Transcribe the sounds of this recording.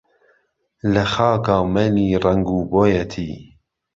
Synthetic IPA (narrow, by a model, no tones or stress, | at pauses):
lɐxɑːkɑːmɛniːrɐŋɡuːboːjɛt̪ʰiː